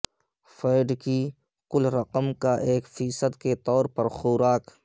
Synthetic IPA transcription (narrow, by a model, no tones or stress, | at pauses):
feːɪɖki | kʊlɾɐqəmkaʔeːkfiːsəd̪ket̪ɔːɾpɐɾxuːɾaːk